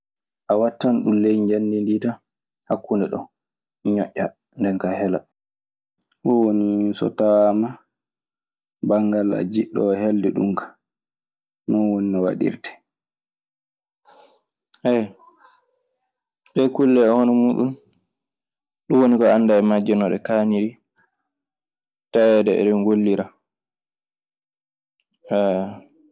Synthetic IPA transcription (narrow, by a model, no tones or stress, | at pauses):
ʔawatːanɗumlejɲd͡ʒandindita | hakːundɛɗɔ̰ | ɲɔʔʲːa | ndɛnkahɛla̰ | hɔwonisɔ̰tama | baŋɡala̰d͡ʒiɗːɔ̰heldɛɗṵmkḁ | nɔwoninɔwa̰ɗḭɾtɛ̥ | ʔɛ | ɗɛkulːɛɛhɔnɔmuːɗun | ɗuwonikɔanːdaɛmad͡ʒɛnɔɗɛkaniɾi | tawɛdɛɛ̰ɗɛnɡolːiɾa | ɛ